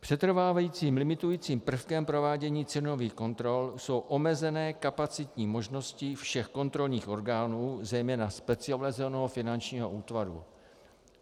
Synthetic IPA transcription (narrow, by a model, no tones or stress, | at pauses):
pr̥ɛt̪r̩vaːvajiːt͡siːmlɪmɪt̪ujiːt͡siːmpr̩fkɛmpɾo̞vaːɟɛɲiːt͡sɛno̞viːxko̞nt̪ɾo̞lso̞wʔo̞mɛzɛnɛːkapat͡sɪt̪ɲiːmo̞ʒno̞scɪfʃɛxko̞nt̪ɾo̞lɲiːxʔo̞ɾɡaːnuːzɛjmɛːnaspɛt͡sɪalɛzɛnoɦofɪnant͡ʃɲiːɦo̞ʔuːt̪vaɾṵ